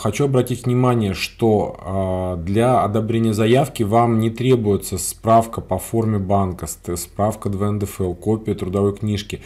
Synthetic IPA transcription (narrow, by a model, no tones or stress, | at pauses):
xɐt͡ɕuɐbɾɐtʲitʲvnʲɪmanʲɪjəʂt̪o̞ | d̪lʲaɐd̪ɐbɾʲenʲɪjəzɐjafkʲɪvamnʲɪt̪ɾʲe̞bʊjɪt̪səspɾafkəpɐfo̞rmʲɪbankəsspɾafkəd̪vɛɛnd̪ɛfɛlˠkopʲɪət̪ɾʊd̪ɐvo̞jknʲiʂkʲɪ